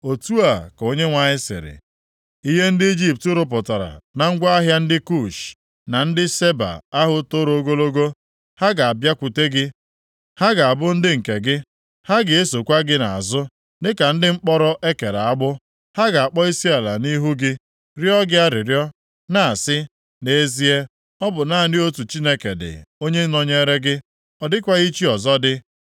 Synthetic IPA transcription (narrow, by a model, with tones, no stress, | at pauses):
o˨tu˦a˨ko˦ɲe˦ŋʷa˨ɲɪ˦sɪ̰˨ɾɪ̰˨ | i˦ɦe˦n̩˦dɪ˦i˦d͡ʒi˦p̚tʊ˦ɾʊ˦p̬ʊ˨ta˨ɾa̰˨na˨ŋ̩˦ɡʷa˦a˦ɦja˦n̩˦dɪ˦ku˦˨ʃ | na˨n̩˦dɪ˦se˦ba̰˨a˦ɦʊ˦tʊ˦ɾo˦ɡo˦lo˦ɡo˦ | ha˦ɡa˨a˨bja˦kʷu˨te˦ɡɪ˦ | ha˦ɡa˨a˨bʊ˦n̩˦dɪ˦ŋ̩˨ke˨ɡɪ˦ | ha˦ɡɪ˨e˦so˨kʷa˦ɡɪ˦na˨a̰˨zʊ˦ | nɪ˦ka˨n̩˦dɪ˦ŋ͡m̩˦k͡pɔ˦ɾɔ˦ʔe˦ke˨ɾa˨a˦ɡ͡bʊ˦ | ha˦ɡa˨a˨k͡pɔ˦i˦si˦e˨la˨ni˦ɦu˦ɡɪ˦ | ɾjɔ˦ɡɪ˦a˦ɾɪ˨ɾjɔ˦ | na˨a˨sɪ˦ | ne˦e˦zi˦e˦ | ɔ˦bʊ˨na˦a˨dɪ˦o˦tu˨t͡ʃi˦ne˦ke˨dɪ̰˨o˦ɲe˦nɔ˨ɲe˦ɾe˦ɡɪ˦ | ɔ˨dɪ˦kʷa˦ɣi˦t͡ʃi˦ɔ˨zɔ˦dɪ˦